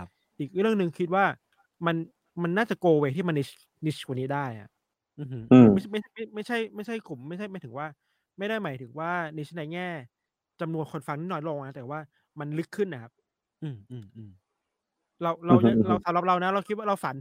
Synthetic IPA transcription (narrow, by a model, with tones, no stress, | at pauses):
ʔiː˨˩k̚ɾɯ˥˩əŋnɯ˧ŋkʰi˦˥t̪̚waː˥˩ | ma˧n | ma˧nːaː˥˩t͡ɕa˨˩koː˧weː˧˩t̪ʰiː˥˩ma˧ni˦˥ | ni˦˥ka˧niː˦˥daː˥˩ja̰˧˦˩ʔ | ʔɯː˧˩hɯ˦˥˧a˥˩ma˥˩jʰa˥ma˥˩jma˥˩jt͡ɕʰa˥˩jma˥˩jt͡ɕʰa˥˩jklu˨˩mːa˥˩jt͡ɕʰa˥˩jmaː˨˦t̪ʰɯ˩˦waː˥˩ | ma˥˩jdaː˥˩jmaː˩˦jt̪ʰɯ˨˩˦ŋwaː˥˩ni˦˥na˧˦˥jŋɛː˥˩ | t͡ɕa˧mnu˧ənkʰo˧nfa˧ŋniː˥˩nɔː˧nlo˧ŋʔa˦˥t̪ɛː˨˩waː˥˩ | ma˧nlɯ˦˥kʰːɯ˥˩nːa˦˥kʰa˦˥p̚ | ʔɯː˧mʔɯː˧mʔɯː˧˩m | ɾa˧wɾa˧wa˨˩ɾa˧wsa˨˩˦mɾa˨˧˦p̚ɾa˧wna˦˥ɾa˧wkʰi˦t̪̚waː˥˩ɾa˧wfa˨˩˦n